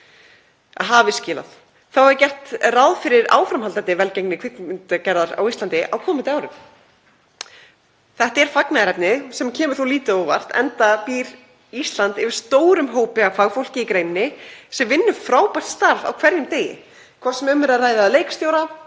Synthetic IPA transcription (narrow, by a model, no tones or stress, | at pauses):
ɦavɪscɪːla̰θ | θawɛɾcɛr̥t̪rawðfɪɾɪɾa̰ːwfɾamhalt̪ant̪ɪvɛlceknɪkʰvɪk̪ɪnt̪acɛɾðaɾa̰wist̪lant̪ɪʔa̰wkʰɔːmɪnt̪ɪaːwɾʏm | θɛht̪aɛɾ̥faknaðɾɛpnɪsɛmcʰɛːmʏɾ̥θuliːt̪ɪowva̰r̥t̪ɛ̰nt̪apiːɾ | ist̪lant̪ɪvɪ̥st̪oːwɾʏmɦoːwpɪafaɣfowl̥cɪikɾeːjnɪnɪsɛmvɪnːʏfɾaːwpar̥t̪st̪aɾva̰wkʰvɛɾjɪmt̪eːjɪ̰ | kʰvɔ̥sɛmʏmɛɾaraːjðalejkst̪joːwɾa